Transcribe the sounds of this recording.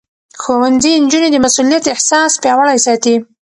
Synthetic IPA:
xowanzind͡ʒuned̪əmasulijat̪ɪħsɑspjɑwəɽajsɑt̪i

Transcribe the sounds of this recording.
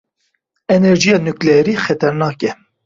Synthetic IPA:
ɛnɛɾd͡ʒijɑːnuklɛɾiːxɛt̪ʰɛɾnɑːkɛ

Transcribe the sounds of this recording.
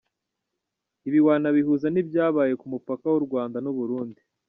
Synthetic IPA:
iβiwaːnaβihuzanibjaːβaːje̞kumupakawuɾɡwaːndanuβuɾuːndi

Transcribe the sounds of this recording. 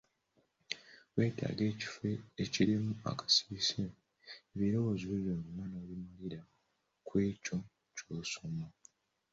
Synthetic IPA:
we̞ːta̰ːɡe̞ːci̥feːciɾimua̰kḁsi̥βise | eβiɾo̞wo̞ːziβeβjoːŋɡumwanoːβimuliɾa | kweːco̞ | cosomu

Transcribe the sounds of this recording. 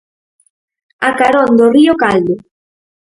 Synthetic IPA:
akaɾɔnd̪oriokald̪o

